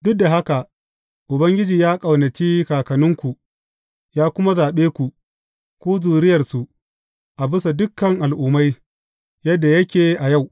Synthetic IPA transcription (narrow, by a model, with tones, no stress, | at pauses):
dʊ˦k̚da˨ɦa˦ka˨ | ʔʊ˨bɐ˦ŋɡʲɪ˦d͡ʒiː˨jaː˦kʼɐ˨wnɐ˨t͡ʃiː˦kaː˨kɐ˨nʊ˦ŋkʷu˨ | jaː˦kʷʊ˦ma˦zaː˨ɓeː˦kʷu˨ʔ | kʷuː˦zuː˨ɾɪ˦jɐ˨rsu˨ʔ | ʔa˨bɪ˦sa˨dʊ˦kːɐ˨ŋʔa˨lʔʊː˨ma˦j | jɐ˦dːa˨jɐ˦kʲeː˨ʔa˨ja˦˨w